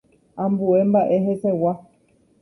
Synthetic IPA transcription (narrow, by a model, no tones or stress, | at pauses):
ãmbuembaʔeɦesewa